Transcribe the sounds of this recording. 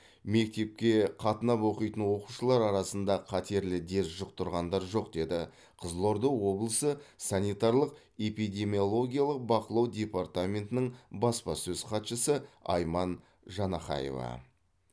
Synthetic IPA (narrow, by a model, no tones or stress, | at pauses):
me̞k̚t̪e̞p̚kʲe̞qʰɑt̪ənɑpwo̞qijt̪ənwo̞quʃəlˠɑɾɑɾɑsənd̪ɑqʰɑt̪ʰe̞ɾlɪd̪e̞sʒʊq̚t̪əɾʁɑnd̪ɑɾʒo̞qd̪e̞d̪ɪ | qʰəzlˠo̞ɾd̪owwo̞blˠəsəsanijt̪ɑɾlˠəq | e̞pijd̪ʲe̞mʲiolˠo̞ɡʲijalˠəq̚bɑqəlˠɑwdʲe̞part̪amʲe̞nt̪ɪnɪɴbɑspɑsɵzqʰɑt̪ʃəsəɑ̰jmɑn | ʒɑnɑχɑ̰jḛvɑ̰